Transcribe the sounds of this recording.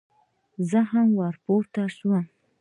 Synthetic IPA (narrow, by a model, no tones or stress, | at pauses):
zəɦamwaɾpoɾt̪aʃwam